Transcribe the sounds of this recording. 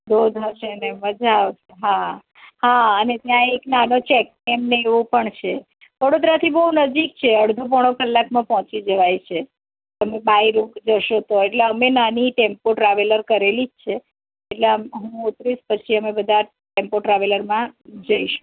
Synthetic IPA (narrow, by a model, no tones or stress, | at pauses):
d̪od̪ʱɦəʃeneməd͡ʒaʋeɦa | ɦaənet̪jãeknanot͡ʃɛkː | emneeʋõpəɳt͡ʃʰe | ʋəɽod̪ɾat̪ʰibəɦunəd͡ʒik̚t͡ʃʰeəɽd̪ʱup̬əɽ̃okəlːakmãpɔɦt͡ʃid͡ʒəʋajt͡ʃʰe | əmebaiɾukd͡ʒəʃot̪oeʈleəmenaniʈempoʈɾaʋeləɾkəɾelid͡ʒt͡ʃʰeː | ʈleəmɦũut̪ɾiʃpət͡ʃʰiəmebəd̪ʱa | ʈempoʈɾaʋeləɾmãd͡ʒəiʃu̥